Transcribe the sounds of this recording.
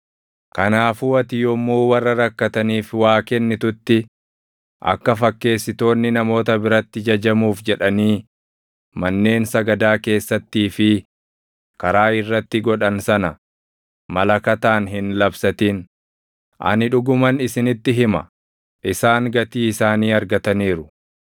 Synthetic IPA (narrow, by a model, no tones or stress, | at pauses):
kɐnaːfuɐt̪ɪjɔmːuːwɐrːɐɾɐkːɐt̪ɐniːfwaːkɛnːɪt̪ʊt̪ːɪ | ʔɐ̰kːɐfɐkːe̞ːsːɪt̪o̞ːnːɪnɐmo̞ːt̪ɐbɪɾɐt̪ːɪd͡ʒɐd͡ʒɐmuːfd͡ʒɛᶑɐniː | mɐnːe̞ːnsɐɡɐd̪aːke̞ːsːɐt̪ːiːfɪ | kɐɾaːɪrːɐt̪ːɪɡɔᶑɐnsɐnɐ | mɐlɐkɐt̪aːnɦɪnlɐbsɐt̪ɪn | ʔɐ̰nɪᶑʊɡʊmɐnɪsɪnɪt̪ːɪɦɪmɐ̰ | ʔɪsaːŋɡɐt̪iːɪsaːniːɐɾɡɐt̪ɐniːɾʊ